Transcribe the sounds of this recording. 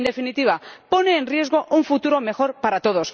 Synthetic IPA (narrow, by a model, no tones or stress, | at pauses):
nd̪e̞finit̪iβ̞apo̞neːnrje̞zɣo̞ʔuɱfut̪uɾo̞me̞xo̞ɾpaɾat̪o̞ð̞os